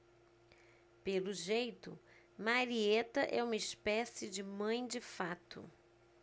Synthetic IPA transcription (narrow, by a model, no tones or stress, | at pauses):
pelʊʒejt̪ʊ̰ | maɾiet̪ɐʔɛ̰ũmɐɪspɛsɪd͡ʒɪmɐ̃j̃d͡ʒɪfat̪ʊ̰